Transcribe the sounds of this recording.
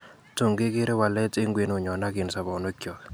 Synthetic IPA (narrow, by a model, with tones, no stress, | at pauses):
to˦˨ŋɡɪ˦ɡɪ˦ɾe˦wa˨lɛ˦tɪ˦ŋɡwe˨no˨ɲɔ˨na˦ɡɪ˨nsa˨bɔ˨no˦kjɔ˨k